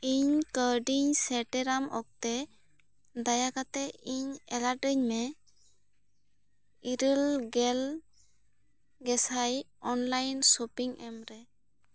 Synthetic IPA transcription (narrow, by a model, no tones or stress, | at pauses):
iɲkəɖiɲsɛʈɛɾamɔk̚t̪ɛ | d̪ajakat̪ɛiɲɛlaʈəɲmɛ | iɾəlɡɛl | ɡɛsaj | ɔnlajnsopiŋʔɛmɾɛ